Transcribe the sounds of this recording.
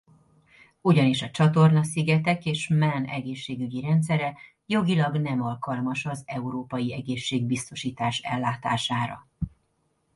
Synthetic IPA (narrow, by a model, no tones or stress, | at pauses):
uɟɒniʃɒt͡ʃɒt̪o̞rnɒsiɡɛt̪ɛkeːʃmɛnɛɡeːʃːeːɡyɟiɾɛnt̪sɛɾɛ | jo̞ɡilɒɡnɛmɒlkɒlmɒʃɒzɛuɾoːpɒjiɛɡeːʃːeːɡ̚bist̪o̞ʃiːt̪aːʃɛ̰lːaːt̪a̰ːʃaːɾɒ̰